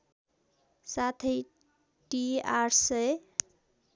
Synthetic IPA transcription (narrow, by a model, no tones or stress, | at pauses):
sat̪ʰʌj | ʈiaɾsʌj